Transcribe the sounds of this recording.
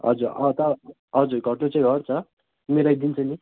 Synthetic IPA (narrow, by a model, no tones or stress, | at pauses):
ɦʌ̰d͡zuɾʌt̪ʌ | ɦʌd͡zuɾɡʱʌʈot͡saĩɡʱʌɾt͡sʰʌ | meɾajd̪int͡sʰʌni